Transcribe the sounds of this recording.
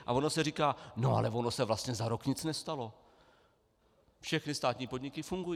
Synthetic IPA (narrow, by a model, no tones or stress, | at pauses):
ʔa̰vo̞nosɛriːkaːno̞ʔa̰lɛvo̞nosɛvlast̪ɲɛzaɾokɲɪt͡snɛst̪alo̞ | fʃɛxnɪst̪aːt̪ɲiːpo̞d̪ɲɪkɪfuŋɡujiː